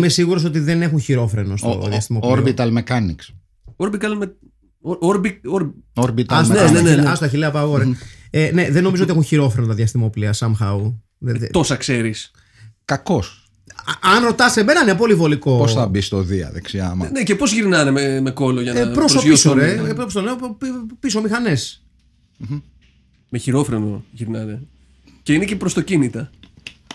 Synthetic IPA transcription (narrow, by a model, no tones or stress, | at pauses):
mesiɣuɾo̞s̬o̞t̪iðe̞nexunçiɾo̞fɾe̞no̞st̪o̰ðjɐst̪imooɾbit̪ɐlmekɐniks | oɾbit̪ɐlm | oɾbioɾoɾbit̪ɐnneneɐsoɐçileɐpɐɣoɾeeneðenːo̞mizot̪ieunçiɾo̞fɾe̞not̪ɐðjɐst̪imopliɐsɐmxɐu | ðt̪osɐkse̞ɾis | kɐko̞s | ɐnɾo̞t̪ɐst̪eme̞nɐinep̬o̞livo̞liko̞posθɐbist̪oðiɐ̰ðeksiɐ̰mɐnecepozʝiɾnɐnememeko̞loʝɐnpɾosoisoɾepopost̪onepipisomixɐnes | m | meçiɾo̞fɾenoʝiɾnɐne̞ | ceinecepɾost̪ocinit̪ɐ